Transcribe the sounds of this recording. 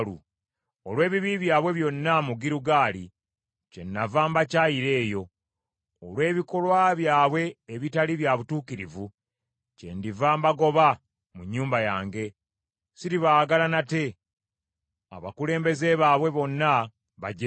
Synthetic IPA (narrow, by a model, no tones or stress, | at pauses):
lu | olwe̞ːβiβiβjaːβwe̞βjo̞nːamuɡiɾuɡaːli | ce̞nːavaːmbacajiɾe̞ːjo̞ː | lwe̞ːβiko̞lwaβjaːβwe̞ːβitaliβjaβutuːkiɾivu | ce̞̰ndivaːmbaɡo̞βa | muɲːuːmbajaːŋɡe̞ | siɾiβaɡalanate̞ | a̰βa̰kule̞ːmbe̞ze̞βaːβwe̞βo̞nːa | βaɟe